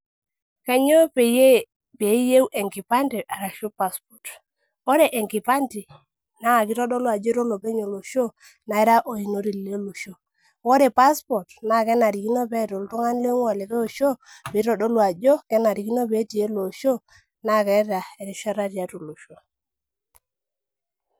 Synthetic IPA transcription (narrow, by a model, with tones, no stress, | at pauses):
ka˨ɲo˦pe˨je˦ | pe˨˦je˦wʔe˨ŋki˨pa˦nti˨ʔa˨ɾa˨ʃu˦pa˦spɔ˨t | o˦ɾe˨ʔe˨ŋki˨pa˦nti˨ | na˦a˨ki˦tɔ˦dɔ˦lwa˨d͡ʒo˦ɾo˦lo˨pe˦ɲo˨lo˨ʃo˦ | na˨i˦ɾa˦ʔo˨i˨no˦ɾi˨lle˦lo˨ʃo˦ | wo˦ɾe˨pa˦spɔ˨tna˦˨kɛ˦na˨ɾi˨ki˦no˦bɛ˦˨to˨ltu˦ŋa˦n˦le˦ŋwa˨le˨ke˦o˨ʃo˦pi˨˦ɾɔ˨dɔ˦lwa˨d͡ʒo˦kɛ˦na˨ɾi˨ki˦no˦be˨˦ti˨e˦lo˨ʃo˦ | na˦kɛ˦ta˨e˨ɾi˦ʃa˦ɾa˦ɾja˨˦to˨lo˨ʃo˦